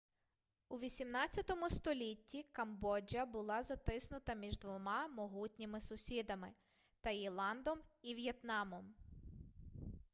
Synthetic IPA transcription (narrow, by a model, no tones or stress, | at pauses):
uʋʲisʲimnɑt͡sʲjɐt̪ɔmʊst̪ɔlʲitʲːikɐmbɔd͡ʒʲɐbʊlˠɑzɐt̪ɪsnʊt̪ɐmʲiʒd̪ʋɔmɑmɔɦutʲnʲimɪsʊsʲid̪ɐmɪ | t̪ɐjilˠɑnd̪ɔmiʋʲjet̪nɑmɔm